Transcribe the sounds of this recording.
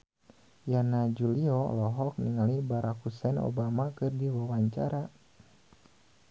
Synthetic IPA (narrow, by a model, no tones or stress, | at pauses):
janad͡ʒuliɔ̰lɔɦɔk̚niŋalibaɾakhusɛno̰bamakɨrdiwawaɲt͡ʃa̰ɾa